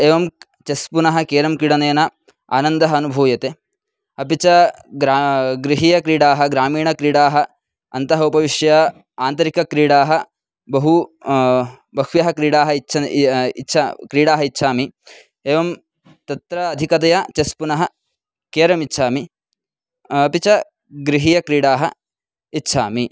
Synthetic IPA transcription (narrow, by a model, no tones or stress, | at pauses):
eːʋɐm | t͡ʃɐspunɐɦɐkeːɾɐmkiɽɐneːnɐ | a̰ːnɐnd̪ɐɦɐːnubʱuːjɐt̪e | ɐpit͡ʃɐɾaɡɾiɦiːjɐkɾiːɽaːɦɐɡɾaːmiːɳɐkɾiːɽaːɦɐ | ɐnt̪ɐɦɐupɐʋiʂjɐ | aːnt̪ɐɾikɐkɾiːɽaːɦɐ | bɐɦu | bɐkʂʋjɐɦɐkɾiːɽaːɦɐt͡ʃʰɐitːʃʰɐkɾiːɽaːɦɐitːʃʰaːmi | eːʋɐm | t̪ɐt̪ɾɐːd̪ʱikɐt̪ɐjɐt͡ʃɐspunɐɦɐ | keːɾɐmitːʃʰaːmi | ɐpit͡ʃɐ | ɡɾiɦiːjɐkɾiːɽaːɦɐ | itːʃʰaːmi